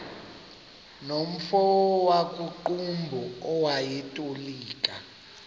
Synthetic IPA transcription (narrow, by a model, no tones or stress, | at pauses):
nom̩fɔɔwakʼuǃumbʱɔɔwajɛtʼoliːkʼa